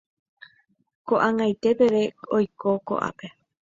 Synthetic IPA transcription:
koʔaŋajt̪e̞pe̞ɾe̞ojkoko̞̰ʔa̰pe̞

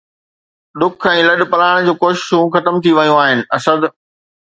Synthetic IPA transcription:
ɗʊkʰɛ̃ːlɐɗ̆pɐlaːɪɽ̃d͡ʑuːkoːʃɪ̥ʃũxɐt̪əmt̪ʰiʋɐjũaːɦɪnɪ̆ɐsəd̪

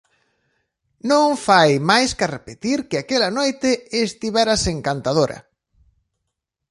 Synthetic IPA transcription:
nõɱfajmajskarepet̪iɾkɪakelɐnojt̪ɪest̪iβɛɾaseŋkant̪að̞oɾɐ̰

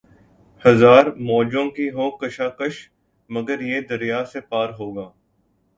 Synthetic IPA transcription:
hɐzaːɾmɔːd͡ʒõkiɦoːkəʃaːkəʃ | məɡəɾjeːd̪əɾijaːsepaːɾɦoːɡaː

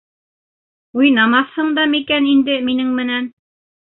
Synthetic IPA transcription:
ujnɑmɑθhɤɴd̪ɑmikænind̪ɘminɘŋmɘ̆næn

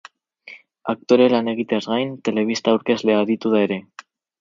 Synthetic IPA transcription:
ak̚t̪o̞ɾe̞lane̞ɣ̞it̪eazɣajnt̪e̞le̞βist̪aːwɾke̞zle̞aðit̪uðae̞ɾe̞

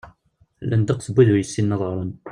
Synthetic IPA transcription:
lʔænd̪ɑqθəbːæðʊɾjəsːinːɑðˤɾˤən

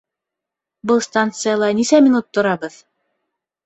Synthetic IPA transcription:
bɤlˠst̪ant̪sɨjalˠɑnisæmʲɪnut̪ːŏɾɑβɤð

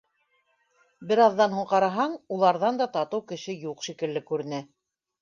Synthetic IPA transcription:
bɘ̆ɾɑðːɑnɦuɴqɑɾɑɦɑɴulˠɑɾðɑnd̪ɑt̪ɑt̪ɤwkɘ̆ʃɘjuqʃikɘ̆lːɘkʉɾɘ̆næ

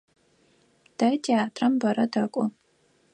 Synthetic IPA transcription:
d̥ɐdiaːtʰrɐmbɐɾɐdɐkʷʼʊ

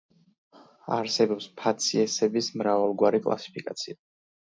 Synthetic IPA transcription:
a̰ɾsɛbɔpspʰat̪sʰiɛsɛbismɾavalˠɡwaɾikʼlˠa̰si̥pʰikʼa̰t̪sʰia

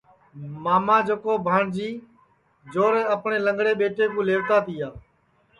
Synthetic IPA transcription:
maːmãːd͡ʒokoːbʱaːɳd͡ʒiː | d͡ʒoːɾeːəpɳeːləŋɡɽeːɓeːʈeːkũːleːʋt̪aːt̪iːaː

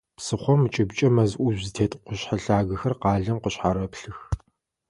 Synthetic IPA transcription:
psɨχʷɔmt͡ʃʼɪbt͡ʃʼɐmɐzʔʷʊʒzɨtʰeːtʼqʷʊɕħaɬaːɣɐxɐrqɑːɮɐmqəɕħaːɾɐpɬɨx

